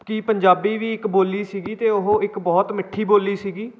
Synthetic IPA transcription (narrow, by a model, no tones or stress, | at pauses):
kɪpəɲd͡ʒaːbiːʋiːɪkboːliːsiːɡiːt̪eːʊɦõɪkbɔːt̪mɪʈʰːiːboːliːsiːɡiː